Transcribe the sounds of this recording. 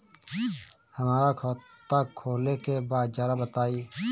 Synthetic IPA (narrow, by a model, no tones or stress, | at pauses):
həmaːɾaːkʰː | t̪aːkʰoːleːkeːbaːd͡ʒaːɾaːbət̪aːiː